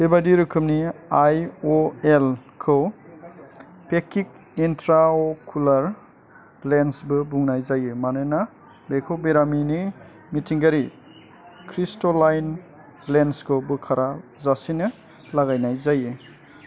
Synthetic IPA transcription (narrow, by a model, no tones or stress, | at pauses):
bebadiɾukʰɯmniajoelkʰɯw | pekik̚ | intɾaokʰulaɾ | lensbɯbuŋnajzajɯmanɯna | bekʰobeɾamini | mitʰiŋɡaɾi | kʰɾistolajn | lenskʰɯwbɯkʰaɾʔazasinɯ | laɡajnajzajɯ